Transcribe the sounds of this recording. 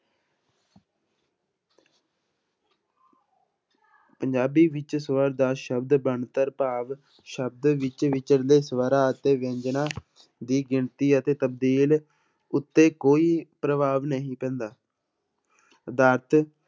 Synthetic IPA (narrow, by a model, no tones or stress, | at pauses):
pəɲd͡ʒaːbiːʋɪt͡ʃsəʋəɾd̪aːʃəbd̪bəɳt̪əɾpaːʋ | ʃəb̚d̪ʋɪt͡ʃʋɪt͡ʃəɽd̪eːsəʋəɾaːət̪eːʋẽɲd͡ʒnãː | d̪iːɡɪɳt̪iːət̪eːt̪əb̚d̪iːl | ʊt̪ːeːkoːiːpɾəʋaːʋnəɦĩːpɛ̃ːnd̪aː | d̪aːɾt̪ʰ